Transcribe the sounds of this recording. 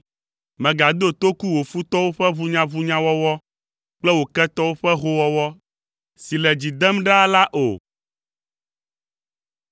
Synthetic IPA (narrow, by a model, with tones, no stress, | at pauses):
mɛ̃˨ɡa˨d̪o˦t̪o˦ku˦wo˨fu˦t̪ɔ˦wo˦ɸɛ˦vu˦ɲã˦vu˦ɲã˦wɔ˦wɔ˦ | k͡plɛ˦wo˨kɛ˦t̪ɔ˦wo˦ɸɛ˦ɦo˦wɔ˦wɔ˦ | si˨lɛ˨d͡ʑi˨d̪ɛ˦mɖɛ˦a˦la˦ʔo̰˨